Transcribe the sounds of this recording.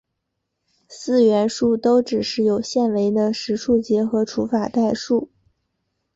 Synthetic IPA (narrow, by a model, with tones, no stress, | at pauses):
sɹ̩˥˧ɥɛ˧˥nʂu˥˩t̪o˥ʊʈ͡ʂɻ̩˨˩ʂɻ̩˥˩jo˨˩ʊɕjɛ˥˩nwe˧˥ɪd̪ə˧ʂɻ̩˧˥ʂʰu˥˩t͡ɕjɛ˧˥xɤ˧˥ʈ͡ʂʰu˧˥fa˨˩t̪a˥˧ɪʂu˥˩